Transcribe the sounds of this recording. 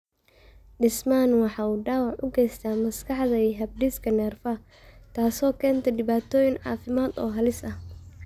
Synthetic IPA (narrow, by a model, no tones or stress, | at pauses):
ɖɪsmaːnwɑħɑːuːɖɑːwɑʕʔʊɡɛjst̪ʰaːmɐskʰɑħðɐiːɦɐb̚ɖiskʰɐnɛːrfɐ | t̪ʰaːsɔːkʰɛːnt̪ʰɐɖɪβaːt̪ʰɔːjɪnʕɑ̰ːfɪmaːd̪ɔːɦɐlɪsɐh